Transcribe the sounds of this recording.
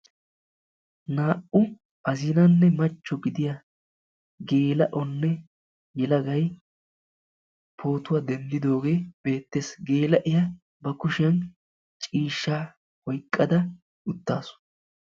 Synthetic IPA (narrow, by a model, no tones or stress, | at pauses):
naːʔʊ | ʔɐzɪnɐnːɛmɐt͡ʃːɔɡɪd̪ɪjɐ | ɡe̞ːlɐʔɔnːɛ | jɛlɐɡɐj | pʰo̞ːt̪ʊwad̪ɛnd̪ɪd̪o̞ːɡe̞ːb̥e̞ːt̪ːeːsɡe̞ːlɐʔɪjɐ | bɐkʊʃɪjɐn | t͡ʃʼiːʃːaː | wɔjkʼːɐd̪ɐ | ʊt̪ːaːsʊ̥